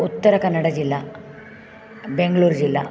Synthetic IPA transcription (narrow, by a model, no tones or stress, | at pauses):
ut̪ːɐɾɐkɐnːɐɽɐd͡ʒilːa | beŋɡɐɭuːɾd͡ʒilːa̰